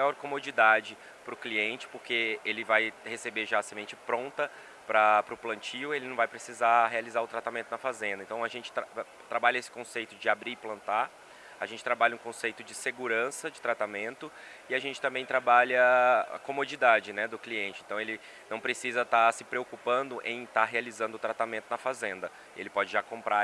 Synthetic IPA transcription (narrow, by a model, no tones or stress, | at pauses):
ajɔɾkomod͡ʒid̪ad͡ʒɪ | pɾʊkliẽnt͡ʃɪ̥poɾkeelɪvajhesebeʒaːsemẽnt͡ʃɪpɾõnt̪ɐ | pɾɐpɾʊplɐ̃nt͡ʃiʊelɪnɐ̃vajpɾesizaɦealizaɾʊt̪ɾat̪amẽnt̪ʊnɐfazẽnd̪ɐẽt̪ɐ̃w̃aʒẽnt͡ʃɪ̥t̪a | t̪ɾabaʎɐesɪ̥kõsejt̪ʊd͡ʒɪabɾiɪplɐ̃nt̪a | aʒẽnt͡ʃɪt̪ɾabaʎɐũkõsejt̪ʊd͡ʒɪseɡuɾɐ̃sɐd͡ʒɪt̪ɾat̪amẽnt̪ʊ | ɪaʒẽnt͡ʃɪt̪ɐ̃mbẽj̃t̪ɾabaʎɐa̰komod͡ʒid̪ad͡ʒɪnɛd̪ʊkliẽnt͡ʃɪẽt̪ɐ̃w̃elɪ | nɐ̃w̃pɾesizɐt̪asɪpɾeokupɐ̃nd̪ʊʔḛ̃j̃t̪aɦealizɐ̃nd̪ʊːt̪ɾat̪amẽnt̪ʊnɐfazẽnd̪ɐ | ḛlɪpɔd͡ʒɪʒakõmpɾʔa